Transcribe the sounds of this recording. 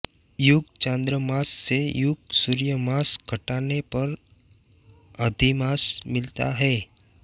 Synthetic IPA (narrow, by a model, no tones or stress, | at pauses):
jʊɡ̚t͡ʃãːnd̪ɾəmaːsːejʊɡ̚suːɾijəmaːsɡʱɐʈaːnepɐɾ | ɐd̪ʱimaːsmɪlt̪a̰ɦɛː